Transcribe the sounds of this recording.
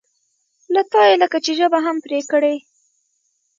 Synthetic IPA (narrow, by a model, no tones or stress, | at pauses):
lat̪ɑjeləkat͡ʃeʒəbaɦampɾekəɽe